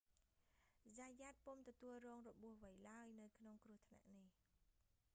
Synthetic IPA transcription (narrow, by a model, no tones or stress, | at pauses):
zaːjaːt̪̚pumt̪ɔt̪uəlrɔːŋrɔɓŭəhʋəjlaəjnɨwkʰnoŋkruəht̪ʰna̰ʔnih